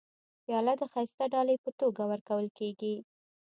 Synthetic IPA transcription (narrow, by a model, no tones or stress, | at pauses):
pjɑlat̪̚d̪əxɑjst̪aɖɑləjpət̪oɡawəɾkawəlkeɡi